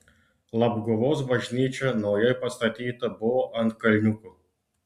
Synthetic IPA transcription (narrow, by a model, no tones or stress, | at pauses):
lˠɐbɡʊʋɔs̬bɐʒʲnʲiːt͡ʃʲɛnɔjɛjpɐst̪ɐt̪ʲiːt̪ɐbʊɔʔɐnt̪̚kɐlʲnʲukʊ